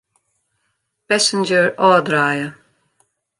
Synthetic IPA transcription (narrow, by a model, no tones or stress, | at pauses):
b̥ɛsɪnd͡ʒəɹɔːd̪ɾaːjə